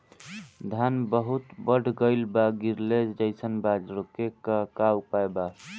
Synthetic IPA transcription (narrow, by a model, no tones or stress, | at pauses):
d̪ʱanbəɦut̪bəɽ̤ʱɡəɪlbaɡiɾled͡ʒd͡ʒəɪsənbad͡ʒɾokekakaupaeba